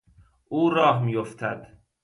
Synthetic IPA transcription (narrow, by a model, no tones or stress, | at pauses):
ʔuːɾɒːɦmiːjoft̪ʰæd̪̥